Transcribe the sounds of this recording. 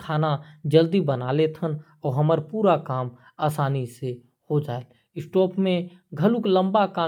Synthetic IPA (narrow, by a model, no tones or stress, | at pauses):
kʰaːnad͡ʒəld̪ibənaːlet̪ʰən | ɔːɾɦəməɾpuːɾakaːm | aːsaːnise | hod͡ʒaːel | ɪsʈɔːpmẽ | ɡʱəlʊklə̃mbakaː